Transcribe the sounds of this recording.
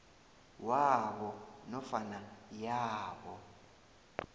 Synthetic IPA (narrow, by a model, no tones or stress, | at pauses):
waɓɔnɔfanajaːɓɔ